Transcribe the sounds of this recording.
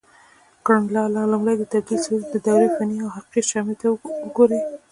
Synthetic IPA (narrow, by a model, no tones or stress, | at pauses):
kaɳlɑlɑlumɽajd̪ət̪ad̪lised̪əd̪ɑwɾefaniawɦaqiʃɑmit̪aɡoɾi